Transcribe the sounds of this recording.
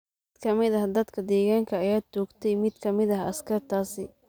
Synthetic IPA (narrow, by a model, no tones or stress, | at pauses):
ɪd̪̥kʰɐmɪðɐɦɐd̪ɐd̪kʰɐd̪ɛːɣaːŋkʰɐːjaːt͡ʃɔːɡt̪ʰɛjmɪd̪kʰɐmɪðɐɦɐskʰɐrt̪ʰaːsɪ